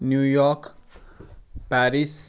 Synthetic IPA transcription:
njujɔk | pæɾis

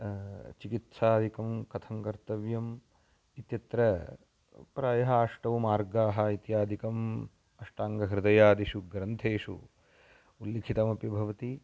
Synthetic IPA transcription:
t͡ʃikit̪saːd̪ikɐmkɐt̪ʰɐŋkɐɾt̪ɐʋjɐm | it̪jɐt̪ɾɐ | pɾaːjɐɦɐaːʂʈɐʋɐmaːɾɡaːɦɐ̆it̪jaːd̪ʱikɐm | ɐʂʈaːŋɡɐɦɾɪd̪ɐjaːd̪iʂuɡɾɐnt̪ʰeːʂṵ | ulːikʰit̪ɐmɐpibʱɐʋɐt̪i

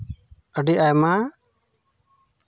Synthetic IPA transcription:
əɖiʔajma

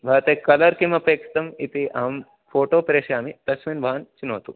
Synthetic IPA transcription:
bʱɐːt̪ekɐlɐɾkimɐpeːkst̪ɐmit̪iʔɐɦɐm | foːʈoːpɐɾeʃjaːmit̪ɐsminbʱaːɐnt͡ʃinoːt̪ṵ

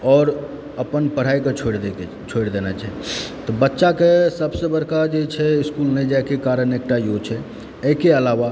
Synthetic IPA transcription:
ɔːɾ | əpənpəɽ̤aiket͡ʃʰoɽ | t͡ʃʰoɽd̪enat͡ʃaɦit̪ɔbətːʃakesəbsebəɾkad͡ʒet͡ʃʰɛɪskulnɛjd͡ʒajkekaɾəneːk̚ʈajot͡ʃʰɛ | əɦkeəlaʋa

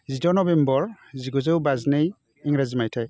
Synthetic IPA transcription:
zidɔnɔbembɔɹ | ziɡɔzɯwbaznej | iŋɾazimajtʰaj

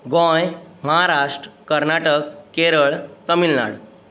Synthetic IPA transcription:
ɡɔ̃jməɦaɾaʂʈɾkːəɾnaʈəkːeɾəɭt̪əmilna̰ɽ

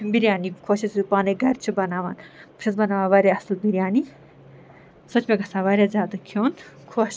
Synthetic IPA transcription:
mbiɾjaːnikʰoːt͡ʃʰɐsupaːneɡɐɾʲt͡ʃʰibɐnaːʋa̰ːnpɨ̥ʃʰɐsbɐnaːʋãːʋaːɾʲeɐslbiɾʲjaːni | sot͡ʃʰmẽɡɐsaːʋaːɾʲjaːzʲaːd̪ɐkʰoːn | kʰoːʃ

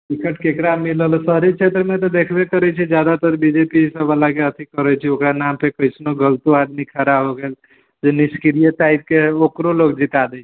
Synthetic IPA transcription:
bikəʈkekɾamiləlsəɾit͡ʃʰet̪ɾəmet̪ɔd̪ekʰbekəɾɛt͡ʃʰid͡ʒjad̪at̪əɾbid͡ʒepisəbəlakeət̪ʰikəɾət͡ʃʰiokɾanampʰekəɪsnoɡəlt̪uad̪mikʰəɾabɦoɡel | d͡ʒeniskɾijəʈaib̚keokɾolokd͡ʒit̪ad̪ɛt͡ʃʰɛ̥

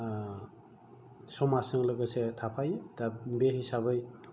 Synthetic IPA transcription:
sɔmasɯŋlɯɡɯsetʰapʰajdabeɦisabɯj

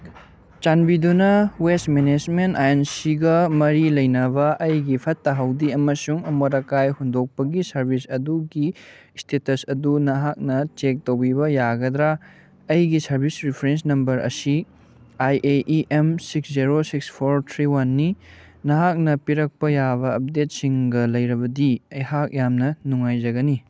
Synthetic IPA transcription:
t͡ʃanbidunɐwestmened͡ʒmentajensiɡɐmɐɾilɐjnɐbɐʔɐjɡipʰɐtːɐɦɐwdiɐmɐsuŋɐmoɾɐkajhundok̚pɐɡisɐɾbʱisɐduɡi | stʰetɐsɐdunɐɦak̚nɐt͡ʃek̚towbibɐjaɡɐd̪ɾa | ɐjɡisɐɾbʱisɾipʰɾens̬nɐmbɐɾʔɐ̰si | ajʔeʔiʔemsiksziɾosikspʰoɾt̪ʰɾiwanːi | nɐɦak̚nɐpiɾɐk̚pɐjaβɐɐp̚det̚siŋɡɐlɐjɾɐbɐdiɐjhak̚jamnɐnuŋajd͡ʒɐɡɐni

